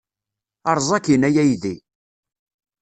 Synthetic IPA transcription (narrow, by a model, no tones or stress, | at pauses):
ɑɾˤzˤɑkinæjæjði